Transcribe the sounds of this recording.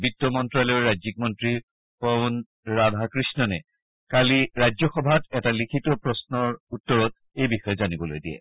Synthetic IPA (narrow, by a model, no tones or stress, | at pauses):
bitːɔmɔntɹalɔɹajzik̚mɔntɹi | pɔwn | ɹadʱakɹisnɔnɛ | kaliɹajzɔxɔbʱatɛtalikʰitɔpɹɔsnɔɹutːɔɹɔt̚ | ejbixɔjɔzanibɔlojdiɛ̰